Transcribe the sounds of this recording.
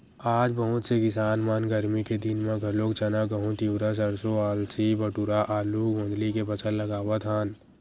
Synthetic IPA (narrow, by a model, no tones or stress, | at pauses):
aːd͡ʒbəɦʊt̪sekɪsaːnmaːnɡəɾmiked̪ɪnmãɡʱɐlokt͡ʃɐnaɡəɦũt̪iwɾas̬ɐɾsoaːlsibəʈuɾaʔaːluɡõːnd̪likepɐt͡ʃʰə̃lləɡaːwat̪ʰaːn